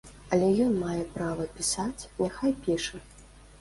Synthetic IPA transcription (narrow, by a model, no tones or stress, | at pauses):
ɐlʲɛjɔnmajɛpɾavɐpʲisat͡sʲnʲaxajpʲiʂɐ